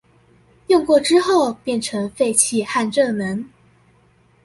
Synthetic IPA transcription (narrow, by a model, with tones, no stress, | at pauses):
jʊ˥˧ŋkwɔ˥˩ʈ͡ʂɻ̩˥xo˥˩ʊpjɛ˥˩nʈ͡ʂʰɤ˧˥ŋfe˥˧ɪt͡ɕʰi˥˧xa˥˧nʈ͡ʂɤ˥˩nə˧˥ŋ